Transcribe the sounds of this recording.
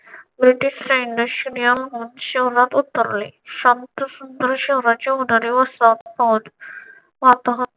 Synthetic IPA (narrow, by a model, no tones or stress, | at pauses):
bɾiʈiɕɾeɳɖəɕɾijalɦunɕəɦɾat̪ut̪ːəɾleɕant̪əsund̪ɾəɕəɦɾat͡ɕeɦoɽaɾeʋəsat̪pɔd̪ | ʋat̪aɦ